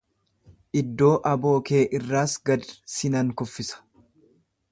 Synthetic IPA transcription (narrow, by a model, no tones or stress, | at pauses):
ʔɪd̪ːo̞ːʔɐbo̞ːke̞ːʔɪrːaːsɡɐd̪sɪnɐŋkʊfːɪsɐ̥